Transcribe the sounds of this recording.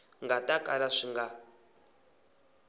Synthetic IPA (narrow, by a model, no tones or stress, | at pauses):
ŋɡatʼakʼalaʂiŋɡa